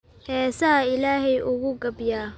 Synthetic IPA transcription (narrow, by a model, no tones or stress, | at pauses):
hɛːsɐɦɐɪlaːɦɛjʔʊɣʊɡɐbjaː